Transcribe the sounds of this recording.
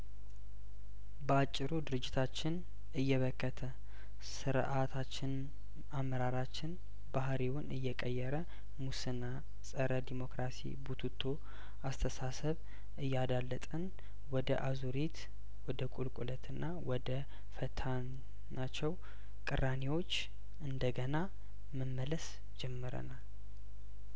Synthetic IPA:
bəat͡ʃʼːɪɾud̪ɨɾɨd͡ʒːɪt̪ʰat͡ʃːɪn | ɨjːɛβəkːət̪ʰə | sɨɾʔat̪ʰat͡ʃːɪn | amːəɾaɾat͡ʃːɪn | bahɾiwʊnɨjːɛkʼəjːɛɾə | musɨna | sʼəɾəd̪imo̞kɾasḭbut̪ʰut̪ʰːo | ast̪ʰəsasəβ | ʔɨjːad̪alːət̪ʼən | wɔd̪əʔazuɾit̪ | wɔd̪əkʼulkʼulət̪ʰɨnːawɔd̪ə | fət̪ʰan | nat͡ʃːɛw | kʼɨrːanewo̞t͡ʃː | ɨnd̪əɡəna | məmːələs | d͡ʒɛmːɨɾə̰nal

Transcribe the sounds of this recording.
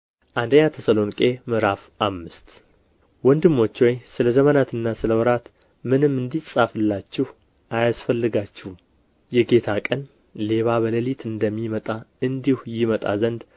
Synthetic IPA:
ʔand̪əɲːat̪ʰəsəlo̞nkʼe̞mɨɾaf | amːɨst̪ | wɔnd̪ɨmːo̞t͡ʃːwɔjsɨləzəmənat̪ɨnːasɨləwɔɾat̪ | mɨnɨmːɨnd̪isʼafɨlːat͡ʃːɪh | ajasfəlːɨɡat͡ʃːɪhu | jɛɡe̞t̪ʰakʼən | le̞βaβələlit̪ʰɨnd̪əmːimət̪ʼaɨnd̪ihujɪmət̪ʼa̰zənd̪

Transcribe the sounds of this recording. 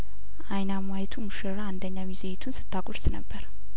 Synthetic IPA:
ʔajnamajɛt̪ʰumuʃɨɾaand̪əɲːamizejt̪ʰunsɨ̥t̪ʰːakʼʊɾsnəbːəɾ

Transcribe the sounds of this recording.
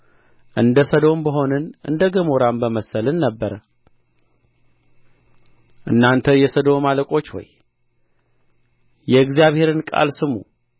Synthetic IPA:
ʔɨnd̪əsəd̪o̞mbəɦo̞nɨnʔɨ̰nd̪əɡəmoɾambəməsəlɨnːəbːəɾə | ʔɨnːant̪ʰəjɛsəd̪o̞maləkʼo̞t͡ʃːwo̰j | jɛɨɡzijaβhe̞ɾɨnkʼa̰lsɨmṵ

